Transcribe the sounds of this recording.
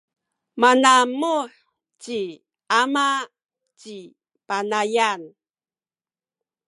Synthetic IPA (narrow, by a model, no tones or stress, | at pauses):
manamuħ | t͡ɕi | ama | t͡ɕi | panajan